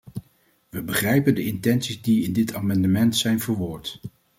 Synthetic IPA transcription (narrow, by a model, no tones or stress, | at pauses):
ʋəbəχrɛjpəndəɪntɛnsizdiɪndɪtʰaːmɑndəmɛntsɛjnvʊɹʋʊːɹt